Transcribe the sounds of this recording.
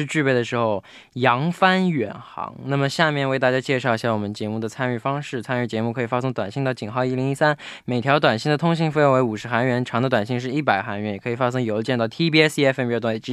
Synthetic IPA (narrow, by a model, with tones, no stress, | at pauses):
ɻ̩˥˧t͡ɕy˥˧pe˥˩d̪ə˩ʂɻ̩˧˥xo˥˧ʊ | jɑ˧˥ŋfa˥nɥɛ˨˩nxɑ̰˧˥ŋna˥˩mə˩ɕja˥˧mjɛ˥˧nwe˥˧ɪt̪a˥˩t͡ɕja˥t͡ɕjɛ˥˧ʂɑ˥˧ʊi˧˩ɕja˥˩wɔ˨˩mə˦nt͡ɕjɛ˧˥mu˥˩d̪ə˩t͡sʰa˥ny˥˩fɑ˥ŋʂɻ̩˥˩t͡sʰa˥ny˥˩t͡ɕjɛ˧˥mu˥˩kʰɤ˧˥i˨˩fa˥sɤ˥ŋt̪wa˨˩nɕi˥˧ŋnt̪ɑ˥˩ʊt͡ɕi˨˩ŋxɑ˥˧ʊi˥˩li˧˥ŋi˥sa˥nme˨˩ɪt̪ʰjɑ˧˥ʊt̪wa˨˩nɕi˥˩d̪ət̪ʰʊ˥ŋɕi˥˧ŋfe˥˧jo˧˥ŋwe˧˥u˨˩ʂɻ̩˧˥xa˧˥nɥɛ˧˥nʈ͡ʂʰɑ˧˥ŋd̪ə˧t̪wa˨˩nɕi˥˧ŋʂ̬ɻ̩˥˧i˥˩pa˨˩ɪxa˧˥nɥɛ˧˥njɛ˨˩kʰɤ˧˥i˨˩fa˥s̬ɤ˥ŋjo˧˥ʊt͡ɕjɛ˥˧nt̪ɑ˥˩ʊt̪ʰi˥pi˥ɛ˥sɛ˥fpt̪wa˧˩˥